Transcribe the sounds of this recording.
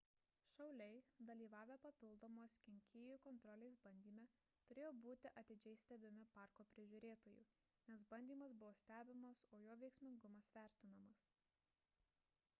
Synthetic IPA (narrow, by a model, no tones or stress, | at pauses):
ʃɐʊlʲɛɪd̪ɐlʲiːʋɑːʋʲeːpɐpʲɪlˠd̪oːmoːskʲɛŋʲkʲɪjuːˑkɔnt̪ɾɔlʲɛɪsbɐnʲd̪ʲiːmʲɛ | t̪ʊɾʲeːjoːbuːt̪ʲɪʔɐt̪ʲɪd͡ʒʲɛɪsʲt̪ʲɛbʲɪmʲɪpɑˑɾkoːpʲɾʲɪʒʲʊːɾʲeːt̪oːjṵː | nʲɛsbɐnʲd̪ʲiːmɐsbʊʋoːsʲt̪ʲæːbʲɪmɐsoːjoːʋʲɛɪksʲmʲɪŋɡʊmɐsʋʲæˑɾʲt̪ʲɪnɐmɐs